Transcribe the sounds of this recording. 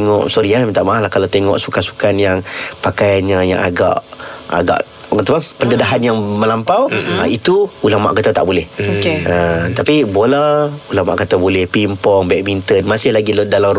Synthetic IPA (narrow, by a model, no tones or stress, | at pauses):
ŋɔ̰ʔsoɾiat̪aʔmaahlahkalawt̪eŋɔ̰ʔsukansu̥kanjaŋpakajanɲəja̰ŋa̰ɡa̰ʔ | a̰ɡa̰ʔ | kət̪upapəndədaɦanjaŋməlampawit̪uulaŋma̰ʔkat̪ət̪a̰ʔbolɛhokeət̪apiboləulaŋma̰ʔkət̪əbolɛhpimpɔŋbɛʔmint̪ənmasɪhlaɡildala